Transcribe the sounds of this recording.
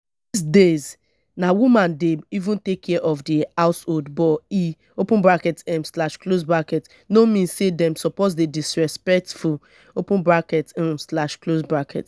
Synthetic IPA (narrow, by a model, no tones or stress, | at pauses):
dis̬dez | nawumãndeivũntekʰːɛʔɔfdihaʊsholdbɔi | opũnbɹakɛtɛ̃mslaʃklosbɹakɛt | nomĩnsedɛ̃msɔpozdedisɹɛspɛk̚tfu | opũnbɹakɛt̩mslaʃklosbɹakʰɛt